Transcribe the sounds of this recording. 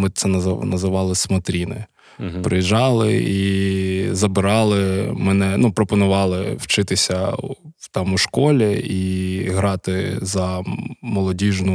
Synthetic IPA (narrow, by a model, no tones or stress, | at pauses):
mɪt̪sɛnɐznɐzɪʋɑlˠɪsmɔt̪ɾʲinɪ̰ | pɾɪjiʒɑlˠɪ̰i | zɐbɪɾɑlˠɪmɛnɛnupɾɔpɔnʊʋɑlˠɪwt͡ʃɪt̪ɪsʲɐwt̪ɑmuʃkɔlʲɛiɦɾɑt̪ɪzɐmɔlˠɔdʲiʒnʊ